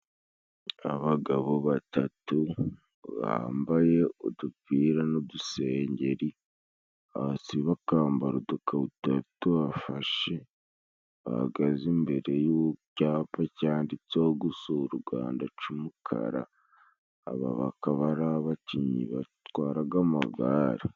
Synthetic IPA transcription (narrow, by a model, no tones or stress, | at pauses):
aβaɡaβoβatatu | βa̰ːmbaje̞oduviːɾanoduse̞ːɲɟe̞ɾi | asiβakaːmbaɾudukʰaβutatuβafaʃe̞ | βa̰ha̰ɡazimbe̞ɾe̞jocaːpacaːndit͡soːɡusoɾuɡa̰ːndat͡ʃumukʰa̰ɾa̰ː | βa̰βa̰kaβaɾaβaciɲḭβatwaːɾaɡamaɡaːɾi